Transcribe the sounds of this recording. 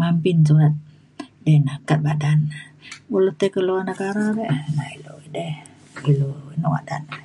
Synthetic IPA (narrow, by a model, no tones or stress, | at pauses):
mampinsuat̪̚ | dɛnakat̪̚badanbulut̪ekəloanakaɾaβɛʔnailoidɛh | iloinowa̰dan